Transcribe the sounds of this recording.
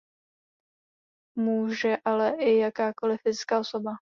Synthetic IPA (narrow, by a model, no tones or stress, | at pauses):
muːʒɛʔalɛʔɪjakaːko̞lɪfɪzkaːʔoso̞ba